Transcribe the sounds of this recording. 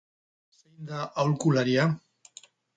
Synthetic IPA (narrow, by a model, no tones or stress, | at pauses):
sejnd̪aʔawlkulaɾia